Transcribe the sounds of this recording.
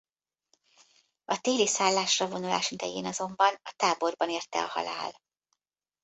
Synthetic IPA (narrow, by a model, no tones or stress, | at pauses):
ɒt̪eːlisaːlːaːʃrɒvo̞nula̰ːʃid̪ɛjeːnɒzo̞mbɒnɒt̪aːbo̞rbɒneːrt̪ɛ̰ɒ̰hɒ̰la̰ːl